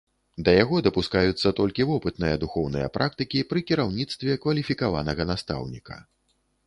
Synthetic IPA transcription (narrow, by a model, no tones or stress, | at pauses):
d̪ɐjaɣɔd̪ɐpuskajut̪sːɐt̪ɔlʲkʲivɔpɨt̪nɨjɐd̪uxɔwnɨjɐ̰pɾʔak̚t̪ɨkʲipɾɨkʲiɾawnʲit̪st̪vʲɛkvɐlʲifʲikavanɐɣɐnast̪a̰wnʲikʰɐ̥̰